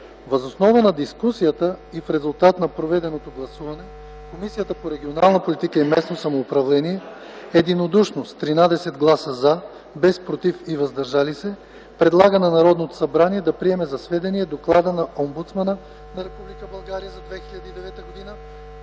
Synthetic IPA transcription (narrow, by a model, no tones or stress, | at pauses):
vɐzosnɔvənɐd̪iskusijət̪əifɾɛzulˠt̪at̪nɐpɾovɛd̪ɛnot̪oɡlˠɐsuvɐnɛ | komisijət̪əpoɾɛɡʲionalˠnɐpolit̪ikəimɛsnosɐmoːpɾɐvlɛniɛ | ɛd̪inod̪uʃnost̪ːɾinad̪ɛsɛd̪ɡlˠasəza | bɛspɾot̪ifivɐzd̪ɐɾʒalisɛ | pɾɛd̪lˠaɡənɐnɐɾɔd̪not̪o̥sɐbɾaniɛd̪ɐpɾiɛmɛzɐsvɛd̪ɛniɛd̪oklˠad̪ənɐʔɔmbut̪smanə | nɐɾɛpublikəbɐlˠɡaɾijəzɐd̪vɛxiʎʲɐd̪iid̪ɛvɛt̪əɡod̪inə